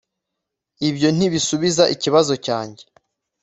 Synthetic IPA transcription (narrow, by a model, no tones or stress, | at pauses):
ibjo̞n̥iβisuβizaʔiciβazo̞caːɲɟe̞